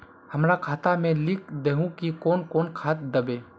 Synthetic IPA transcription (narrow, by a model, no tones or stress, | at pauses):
hɐmɾakʰaːt̪amẽlɪk̚d̪eɦũkikoːnkɔːnkʰaːt̪̚d̪ɐbeː